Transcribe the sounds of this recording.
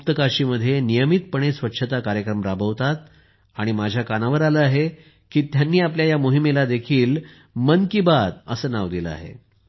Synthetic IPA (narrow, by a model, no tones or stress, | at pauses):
ut̪əkaɕiːməd̪ʱːjenijəmit̪̚pəɳ̃esʋətːɕʰət̪akaɾjəkɾəmpɾabʱəʋt̪at̪ | aɽ̃imad͡ʑʱjakanaʋəɾaləaɦe | kiːt̪janːiːapljajamuɦimelad̪ekʰiːl | mənkibad̪əsəːnaʋd̪iləa̰ɦḛ